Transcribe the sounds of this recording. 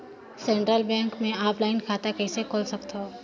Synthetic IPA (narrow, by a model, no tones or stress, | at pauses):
sẽːɳʈɾəlbɛ̃ːŋkmẽaːplaːɪnkʰaːt̪akɛsekʰoːlsɐk̚t̪ɦoː